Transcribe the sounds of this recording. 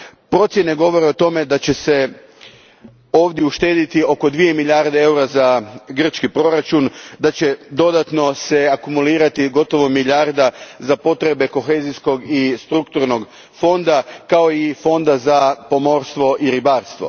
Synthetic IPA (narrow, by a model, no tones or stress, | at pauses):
pɾo̞t̪sje̞ne̞ɡo̞ʋo̞ɾe̞ot̪o̞me̞d̪at͡ɕe̞se̞ | o̞ːʋd̪jeuʃt̪e̞ːd̪it̪io̞ko̞d̪ʋije̞miʎʲaɾd̪ee̞uɾazaɡr̩t͡ʃkipɾo̞ɾat͡ʃund̪at͡ɕe̞d̪o̞d̪at̪no̞se̞akumuliːɾat̪iɡo̞t̪o̞ʋo̞milʲaɾd̪azapo̞t̪ɾe̞be̞ko̞xe̞zisko̞ɡist̪ɾukt̪uɾno̞ɡ | fo̞nd̪akao̞ifo̞nd̪azapo̞mo̞ɾst̪ʋo̞ʔiɾibaːɾst̪ʋo̞̰